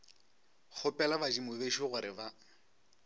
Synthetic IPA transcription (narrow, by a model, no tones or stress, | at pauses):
χʊpʼɛlabad͡ʒimʊbeʃoɣʊɾɪba